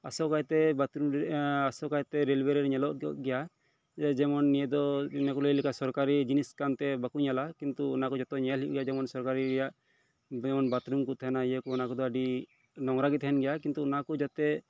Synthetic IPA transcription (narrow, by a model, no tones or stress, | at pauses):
a̰sɔkajt̪ɛbat̪ɾumɾasɔkajt̪ɛɾɛlbɛɾɛɾɲɛlɔʔʔɡɛja | d͡ʒɛmɔnːijɛd̪ɔnakɔlejlikasɔɾkaɾid͡ʒiniskant̪ɛbakuɲalakint̪uːnakɔd͡ʒat̪ɔɲɛlɦiʔɡɛjad͡ʒɛmɔnsɔɾkaɾiɾɛjaʔ | ɛmɔnbat̪ɾumkut̪ʰɦɛnaijəkuɔnakɔd̪ɔəɖi | nɔŋɾaɡit̪ɦɛnɡɛjakint̪uɔnakud͡ʒat̪ɛ